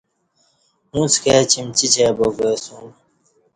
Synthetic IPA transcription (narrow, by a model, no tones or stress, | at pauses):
mũːsket͡ɕimt͡ɕit͡ɕeːboɡeːsũ